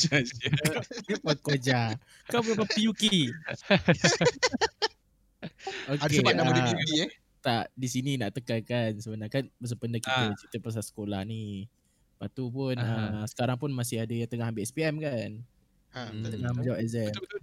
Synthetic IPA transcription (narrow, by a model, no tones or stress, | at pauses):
d͡ʒas | nipəkod͡ʒa | kawbəpəpijuki | okkeaaəiɛ | t̪aʔdisininaʔt̪əkalkansəbənakanbəs̬əpəndəkit̪ət͡ʃit̪əpɾas̬asə̥kolahni | pat̪upunəsə̥kaɾaŋpʊnmasɪhadəjaŋt̪əŋahambiʔɛspiɛmkan | t̪əŋahməd͡ʒawaʔɛzɛ